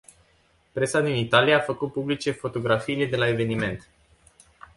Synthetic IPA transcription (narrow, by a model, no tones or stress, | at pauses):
pɾe̞sad̪init̪alijaːfəkut̪̚publit͡ʃe̞fo̞t̪o̞ɡɾafiːle̞d̪e̞lae̞ve̞nime̞nt̪